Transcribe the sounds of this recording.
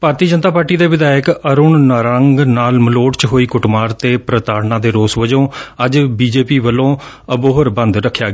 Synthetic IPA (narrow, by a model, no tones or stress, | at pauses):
paːɾt̪iːəd͡ʒənt̪aːpaːɾʈiːd̪eːʋɪd̪aːjəkəɾʊɳnaːɾəŋɡnaːlməloːʈt͡ʃɦoːiːkʊʈmaːɾt̪eːpɾət̪aːɽnãːd̪eːɾoːsʋəd͡ʒõːəd͡ʒbiːd͡ʒeːpiːʋəlõː | əboːɦəɾbə̃nd̪ɾəkʰːjaːɡ